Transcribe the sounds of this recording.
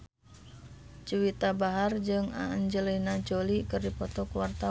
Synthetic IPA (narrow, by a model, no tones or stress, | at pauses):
t͡ʃuwit̪abaɦard͡ʒɨŋa̰ɲd͡ʒəlinad͡ʒolikɨrdipɔt̪ɔkuwart̪a